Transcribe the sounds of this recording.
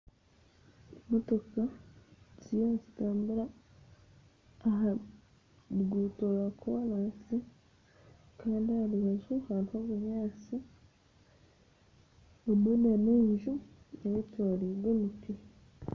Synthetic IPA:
motokazijozitaːmbuɾa | ɦa | ɡutolakuwalasi | kaːndialuβazuhaɾihoβuɲaːt͡si | unoneneɲʒu | eβetwaːleɡonuke

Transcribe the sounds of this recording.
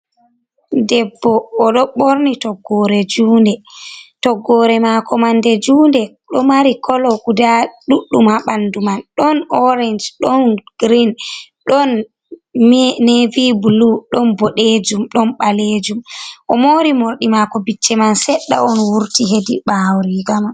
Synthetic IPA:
dɛbːɔːɗɔɓoɾnitɔɡːɔɾɛd͡ʒuːndɛtɔɡːɔːɾɛmakɔmandɛd͡ʒuːndɛ | ɗɔmaɾikʰɔlɔɡudaɗuɗːumhaɓandumanɗɔnɔɾɛnd͡ʒɗɔnɡ̥ɾin | ɗɔn | nevibuluɗɔnbɔɗed͡ʒumɗɔnɓaled͡ʒumʔɔmoɾimoɾɗimakɔbit͡ʃːɛmansɛɗːa̰ɔnwuɾtiɦediɓawɾiɡama

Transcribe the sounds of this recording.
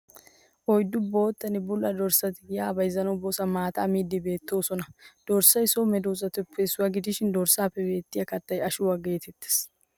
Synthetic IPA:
ʔɔjd̪ʊbo̞ːt̪ːɐnɪbʊlʔɐd̪ɔɾsɐt̪ɪɡɪjaːbɐjzːɐnɐwboːsɐmaːt̪ɐːmiːd̪ːɪbe̞ːt̪ːo̞ːsɔnɐd̪̥ɔɾsɐjsɔmɛd̪oːzɐt̪ʊpʰːeːsʊwɐɡɪd̪ɪʃɪnd̪ɔɾsaːpːɛbe̞ːt̪ːɪjɐkɐt̪ːɐjɐʃʊwaɡe̞ːt̪ɛt̪ːe̥s

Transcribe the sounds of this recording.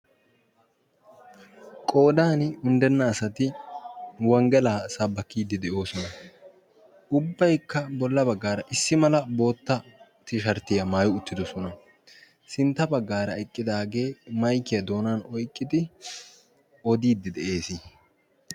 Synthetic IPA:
kʼo̞ːd̪aːnʊnd̪ɛnːɐːsɐt̪ɪ | wɐŋɡɛlaːsɐbːɐkːiːd̪ːɪd̪ɛʔo̞ːsɔnɐ | ʔʊbːɐjkːɐbɔlːɐbɐɡːaːɾɐʔɪsːɪmɐlɐbo̞ːt̪ːɐt̪ɪʃɐɾt̪ːɪjɐmaːjʊʊt̪ːɪd̪ɔsɔnɐ | sɪnt̪ːɐbɐɡːaːɾɐɛkʼːɪd̪aːɡe̞ːmɐjkːɪjɐd̪o̞ːnaːnɔjkʼːɪd̪ɪ | ɔd̪iːd̪ːɪd̪ɛʔe̞ːsi

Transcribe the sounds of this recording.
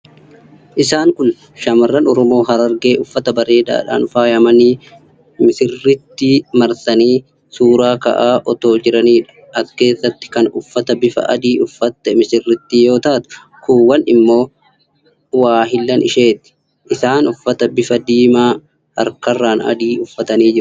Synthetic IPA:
ʔɪsaːŋkʊn | ʃɐmɐrːɐnɔɾɔmo̞ːɦɐɾɐɾɡe̞ːʔʊfːɐt̪ɐbɐɾe̞ːd̪a̰ːᶑa̰ːnʊfaːjɐmɐniː | mɪsɪrːɪt̪ːiːmɐɾsɐniː | suːɾaːkɐ̰ʔaːʔɔt̪o̞ːd͡ʒɪɾɐniːᶑɐ̥ | ɐkːe̞ːsːɐt̪ːɪ̥kɐnʊfːɐt̪ɐbɪfɐ̰ʔɐ̰d̪iːʔʊfːɐt̪ːɛmɪsɪrːɪt̪ːiːjo̞ːt̪aːt̪ʊ̥ | kuːwɐnɪmːo̞ː | waːɦɪlːɐnɪ̰ʃe̞ːt̪ɪ̥ | ʔɪsaːnʊfːɐt̪ɐbɪfɐd̪iːmaː | ɐ̰ɾkɐrːaːnɐ̰d̪iːʊfːɐt̪ɐniːd͡ʒɪɾʊ̥

